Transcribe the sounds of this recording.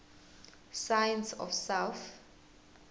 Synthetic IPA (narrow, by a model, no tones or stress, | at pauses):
sajɛ̃nsɔ̰fsawθ